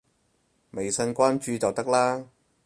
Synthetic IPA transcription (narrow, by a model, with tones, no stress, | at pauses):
me˨jsɐ˧nkʷaː˥nt͡ʃyː˨t͡sɐ˨wt̪ɐ˥k̚laː˥